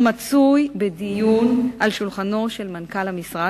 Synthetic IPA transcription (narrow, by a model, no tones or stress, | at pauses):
mat͡sujbedijunʔalʃulχano̞ʃe̞lmankalhamisʁa